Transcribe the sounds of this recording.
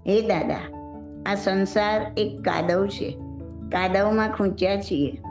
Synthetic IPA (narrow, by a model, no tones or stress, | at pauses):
ɦed̪ad̪a̰ | asənsaɾekːa̰d̪əwt͡ʃʰḛ | kad̪əwmãkʰũt͡ʃjat͡ʃʰie